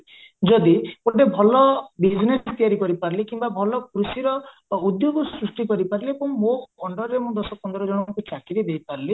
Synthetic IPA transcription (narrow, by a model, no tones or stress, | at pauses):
d͡ʒɔd̪ipoʈebʱɔlɔbid͡ʒinesɔt̪ijaɾikɔɾipaɾlikimbabʱɔlɔkɾusiɾɔ | ud̪joɡɔsɾusʈikɔɾipaɾlepuŋmoɔɳɖɔɾɾemũd̪ɔsɔk̚pɔnd̪ɔɾɔd͡ʒɔɽ̃ɔkut͡ʃakiɾid̪ejpaɾli